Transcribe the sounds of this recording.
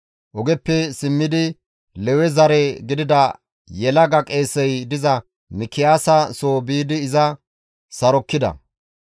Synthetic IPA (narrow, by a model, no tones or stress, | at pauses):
ʔɔɡɛpːɛsɪmːɪd̪ɪ | lɛwɛzɐɾɛɡɪd̪ɪd̪ɐ | jɛlɐɡɐkʼeːsɛjd̪ɪzɐ | mɪkːɪjaːsɐsoːbiːd̪ɪːzɐ | sɐɾɔkːɪd̪ɐ̰